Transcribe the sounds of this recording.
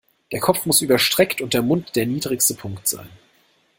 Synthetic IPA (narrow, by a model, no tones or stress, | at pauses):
d̥eːɐkʰɔp͡fmʊsʔyːbɐʃtʁ̥ɛktʊnt̚d̥eːɐmʊntd̥eːɐniːdʁɪçstəpʰʊŋktz̥a̰ɪn